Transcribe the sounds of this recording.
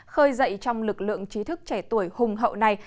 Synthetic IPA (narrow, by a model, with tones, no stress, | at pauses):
xəː˧jzə̰˧˨jt͡ɕɔ˧wŋ͡mlɨ˨˩k̚lɨ̰˧˨əŋt͡ɕi˨˦t̪ʰɨ˦˥k̚t͡ɕɛ˧˩t̪u˧˩əjhʊ˨˩ŋ͡mɦə̰˧˨wna˨˩j